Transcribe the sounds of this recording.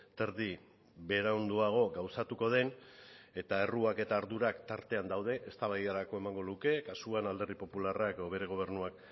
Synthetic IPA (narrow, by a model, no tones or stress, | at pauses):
t̪e̞ɾði | βe̞ɾaond̪uaɣ̞o̞ɡawsat̪uko̞ð̞e̞ne̞t̪ae̞ruake̞t̪aːɾðuɾakt̪aɾt̪e̞and̪awð̞e̞ʔest̪aβajðaɾako̞emaŋɡo̞luke̞kasuanald̪e̞ɾðipo̞pularakeðoβ̞e̞ɾe̞ɣ̞o̞β̞e̞ɾnuak